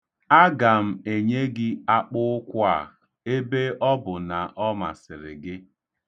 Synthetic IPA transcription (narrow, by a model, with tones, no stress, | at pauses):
a˦ɡa˨m̩˨e˨ɲe˦ɡɪ˦a˦k͡pʊ˦kʷa̰˨ | e˦be˦ɔ˦bʊ˨na˨ʔɔ˦ma̰˨sɪ˨ɾɪ̰˨ɡɪ˦